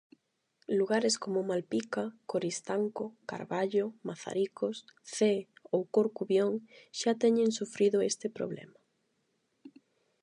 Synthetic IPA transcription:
luɣaɾɪskomʊmalpikakoɾist̪aŋkoka̰ɾβaʎomaθa̰ɾikosθeowkoɾkuβjoŋʃat̪ɛɲẽŋsufɾiðʊest̪ɪpɾo̰βlɛ̰ma

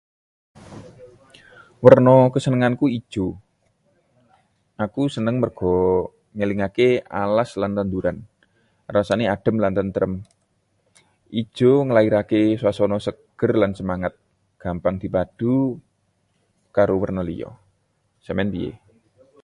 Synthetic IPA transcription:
wərnɔkəsənəŋankuid̥ʒ̥o | ʔakusənəŋmərɡ̥ɔ | ŋəliŋakea̰laslant̪and̪uɾan | rasanead̥ə̤mlant̪ant̪əɾəm | ʔi̥ʒ̥oŋəlaiɾakeswasɔnɔsəɡ̥ərlansəmaŋat̪̚ | ɡ̥a̤mpaŋd̪̥i̤pad̥u | kaɾowərnɔlḭjɔ̰ | səmɛnt̪ijḛ

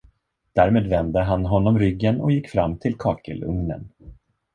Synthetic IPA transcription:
d̪̥æːɾmeːd̪vɛnd̪əɦanɦɔnːɔmɾʏɡːənɔjɪkːfɾamːt̪ʰɪlkʰɑːkə̰lɵ̰ŋnə̰n

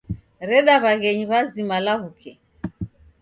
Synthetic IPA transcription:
ɾɛɗaβaɣɛɲiβazimalaβukʰɛ

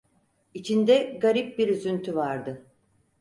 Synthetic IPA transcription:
it͡ʃʰind̪ɛɡaɾip̚biɾyzynt̪ʰyvaɾd̪ɯ

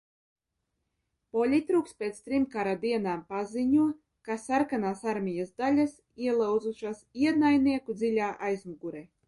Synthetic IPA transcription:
pɔlʲit̪ɾuːkst̪pʲeːt̪st̪ɾimkaɾad̪iɛnaːmpaziɲuɔ | kasaɾkanaːsaɾmʲijazd̪alʲas | iɛlˠawd̪zuʃasiɛd̪najniɛkud̪zilʲaːʔajzmuɡuɾɛ

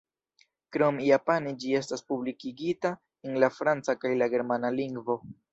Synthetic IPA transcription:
kɾo̞mjapanid͡ʒie̞staspublikiɡita | enlafɾant͡sakajlaɡe̞ɾmanaliŋɡvo̞

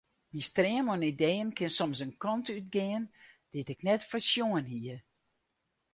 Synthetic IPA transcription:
mistrɪəmɔnideːənkʰɪnsɔmsənkɔntyt̚ɡɪənd̥ɪtɪknɛtfərsjoənhiər

